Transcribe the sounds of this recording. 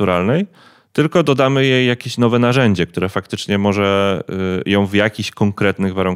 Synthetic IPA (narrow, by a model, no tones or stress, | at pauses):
uɾalnɛj | t̪ɘlkɔd̪ɔd̪amɘjejːakʲeɕnɔvɛn̪aʐɛɲd͡ʑɛk̚t̪uɾɛfak̚t̪ɘt͡ʂɲɛmɔʐɛ | jɔ̃w̃vjakʲiɕkɔŋkɾɛt̪nɘɣvaɾuŋ